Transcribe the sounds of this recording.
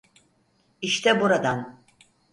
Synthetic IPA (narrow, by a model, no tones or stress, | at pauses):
iʃt̪ʰɛbuɾad̪an